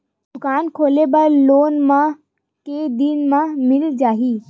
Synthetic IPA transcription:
d̪ʊkaːnkʰoːlebɐɾloːnmã | ked̪inmãmɪld͡ʒaːɦiː

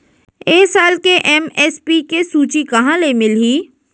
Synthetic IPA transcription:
eːsaːlkeʔɛmɛːspiːkesuːt͡ʃikɐɦãlemɪlɦiː

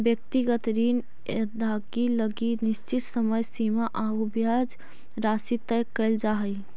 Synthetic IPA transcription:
bjək̚t̪iɡət̪ɾin | əd̪ʱaɡiləɡinɪst͡ʃit̪səməjsimaʔaubjad͡ʒ | ɾasit̪əjkɛld͡ʒaɦəj

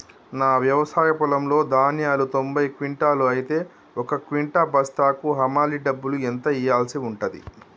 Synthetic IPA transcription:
naːʋjɐʋɐsaːjɐpulɐmlo̞ːd̪ʱaːnjaːlut̪o̞mbɐjkʋiɳʈaːluɐjit̪e̞ː | ɔkɐkʋiɳʈaːbɐst̪aːkuɦɐmaːliɖɐbːuluent̪ɐijaːlsiuɳʈɐd̪ḭ

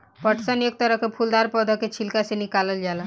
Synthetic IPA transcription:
pəʈsənek̚t̪əɾəɦkepʰuld̪aɾpɔd̪ʱəket͡ʃʰilkasenikaləld͡ʒala

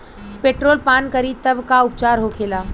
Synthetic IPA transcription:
peːʈɾoːlpaːnkəɾiːt̪əʋkaʊp̚t͡ɕaːɾɦokʰeːlaː

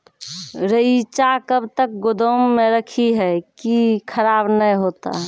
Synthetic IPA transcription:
ɾəit͡ʃakəbt̪ək̚ɡod̪əmːeɾəkʰiɦɛkikʰəɾabnəjɦot̪a̰ɦɛ

